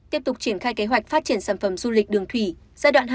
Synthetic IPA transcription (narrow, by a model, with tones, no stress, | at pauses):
t̪i˦˥əp̚t̪ʊ˨˩k͡p̚t͡ɕi˧˩ənxaː˧jke˨˦ɦwa˨˩jk̟̚faː˦˥t̚t͡ɕi˧˩ənsaː˧˩nfə˧˩mzu˧lï˨˩k̟̚ɗɨ˨˩əŋt̪ʰwi˧˩ | zaː˧jɗwa̰ː˧˨nɦ